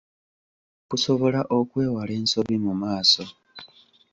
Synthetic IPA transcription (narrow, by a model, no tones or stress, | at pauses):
kuso̞βo̞laʔo̞kwe̞ːwale̞ːnsoβimumaːso̞